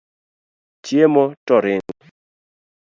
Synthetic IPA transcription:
t͡ʃjemɔtɔɾɪŋ

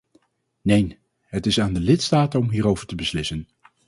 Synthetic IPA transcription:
nejn | ɦətɪsaːndəlɪtstaːtənɔmɦiːɾowvəɹtəbəslɪsən

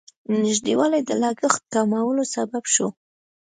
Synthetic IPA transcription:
nɪʒd̪ewɑlajd̪əlɑɡəxt̪̚kamawəlosababʃo

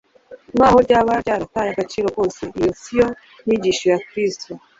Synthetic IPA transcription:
mahoɾɟaβaɾɟaɾatajaɡat͡ʃiːɾo̞ko̞ːse̞ʔijosio | niɟiʃojakɾisto

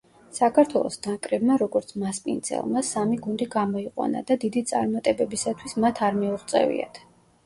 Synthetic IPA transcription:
sakʰaɾt̪ʰwɛlˠɔ̰sd̪̥akʼɾɛbmaɾɔɡɔɾt̪sʰmaspʼḭnd̪zʰɛ̰lˠmasamiɡund̪iɡamɔiqʼwa̰na̰d̪ad̪id̪it̪sʼa̰ɾmat̪ʼɛbɛbisat̪ʰwismat̪ʰaɾmiuʁt̪sʼɛ̰vḭa̰t̪ʰ

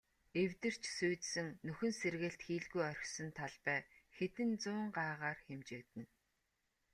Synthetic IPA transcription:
ewt̪ɘ̆r̥t͡ɕsuːt̪sɘ̆ŋnɵxɵ̆nserɣɘ̆ɬt̪xiːɮɣujœrʲxsə̆nt̪ʰaɮpæːxet̪ɘ̆nt͡sʊːɴɢaːʁaːrxemt͡ɕɪːkt̪ɘ̆n

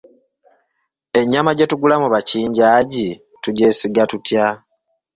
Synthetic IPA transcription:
e̞ɲːamaɟe̞tuɡulamuβaciːɲɟaːɟi | tuɟe̞ːsiɡatutja

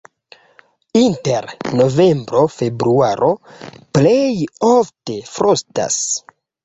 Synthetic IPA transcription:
inte̞ɾno̞ve̞mbɾo̞fe̞bɾuaɾʔo̞plejofte̞fɾosta̰s

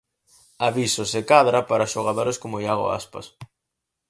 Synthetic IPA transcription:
aβisʊsɪkaðɾɐpaɾɐʃoɣ̞aðoɾeskomʊjaɣo̰a̰spɐ̰s

